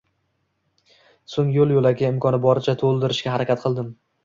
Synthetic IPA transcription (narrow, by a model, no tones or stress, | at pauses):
soŋjolˠjolaɡʲaɪmkʰɒnɪbɒɾɪt͡ʃʰat̪ʰolˠd̪ɪɾɪʃkʲahaɾakʲat̪̚qʰɨlˠd̪ɪm